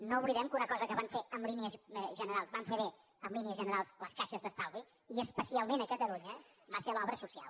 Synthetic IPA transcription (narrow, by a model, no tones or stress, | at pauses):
nouβliðɛmkunəkɔzəkəβaɱfeəmliniəzʒənəɾalˠzβaɱfeβe | əmliniəzʒənəɾalˠsləskaʃəzðəst̪awli | iəspəsialˠmenəkət̪əluɲə | baselɔβɾəsusia̰lˠ